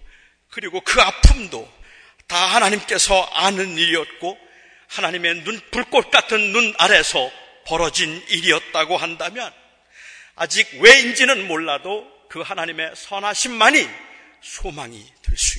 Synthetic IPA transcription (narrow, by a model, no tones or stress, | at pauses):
kɯɾiɡokɯapʰɯmdo | tahanaɲimk͈e̞sʰʌanɯniɾiʌt̚k͈o | hanaɲime̞nunpuɭk͈ʌt̚k͈atʰɯnːunaɾe̞sʰʌ | pʌɾʌd͡ʑiniɾiʌt̚t͈aɡohandamjʌn | a̰d͡ʑiɡ̚we̞ind͡ʑinɯnmoɭːado | kɯhanaɲime̞sʰʌnaɕʰimːaɲi | sʰomaŋḭtweɭs͈u